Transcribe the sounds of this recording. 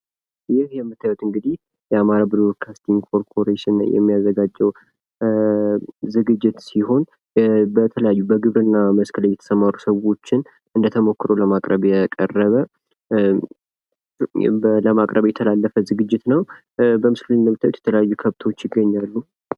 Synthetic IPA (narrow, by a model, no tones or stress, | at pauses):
jɪhjɛmːɨt̪ːajwɛt̪ɨŋɡɨd̪ih | jɛamaɾabɨlokʰast̪iŋkʰo̞ɾpʰo̞ɾeʃɪnjɛ̰mːijazːəɡad͡ʒːɛw | zɨɡɨd͡ʒːɪt̪siho̞n | bət̪ʰələjajːubəɡɨβɾɨnːaməskʰələjɛt̪ʰə̥səmaɾusəwo̞t͡ʃːɪn | ɨnd̪ət̪ʰəmo̞kːɨɾo̞ləmakʼɾəβjɛkʼə̰rːəβə | ləmakʼɾəβjɛt̪ʰəlalːəfəzɨɡɨd͡ʒːɪt̪nəw | bəmɨsklɨnːəmɨt̪ʰːajwet̪jɛt̪ʰələjajːukʰəβt̪ʰo̞t͡ʃːjɪɡːəɲːalːu